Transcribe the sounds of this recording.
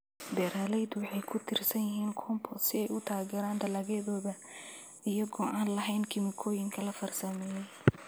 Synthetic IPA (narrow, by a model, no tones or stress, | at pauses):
d̪ɛːɾaːlɛjd̪ʊwɑħɑjkʰʊt̪ʰɪrsɐnjɪɦiːnkʰɔːmpʰɔsɪɛjʔʊt̪ʰaːɣɛːɾaːnd̪ɐlaːɣɛːðɔːðɐ | ijɐɣɔʔaːnlɐɦɛjnkʰɪmɪkʰɔːjɪŋkʰɐlɐfɐrsɐmɛːjɛj